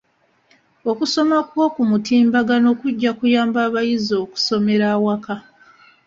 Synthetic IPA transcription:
o̞kuso̞makwo̞ːkumutiːmbaɡano̞kuɟːakujaːmbaːβajizo̞ːku̥so̞me̞ɾaːwaka

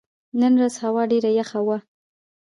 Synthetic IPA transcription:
nənɾazhawɑɖeɾajaxawa

